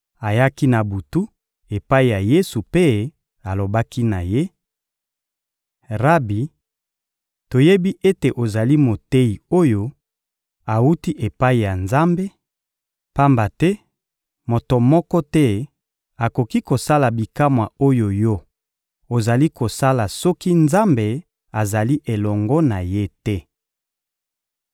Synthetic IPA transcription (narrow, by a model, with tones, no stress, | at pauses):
a˨ja˦ki˦na˨bu˨tu˦ | e˨pa˦i˨ja˨je˦su˨pe˦ | a˨lo˨ba˦ki˦na˨je˦ | ʁa˦bi˨ | to˨je˦bi˦ʔe˦te˨ʔo˨za˨li˦mo˨te˦i˨o˦jo˦ | a˨u˦ti˦ʔe˨pa˦i˨ja˨nza˦mbe˦ | pa˦mba˨tɛ˦ | mo˨to˨mɔ˦kɔ˦tɛ˦ | a˨ko˨ki˦ko˨sa˦la˨bi˨ka˦mwa˨o˦jo˨jɔ˦ | o˨za˨li˦ko˨sa˦la˨sɔ˦ki˦nza˦mbe˨ | a˨za˨li˦ʔe˨lɔ˨ŋɡɔ˦na˨je˦tɛ˦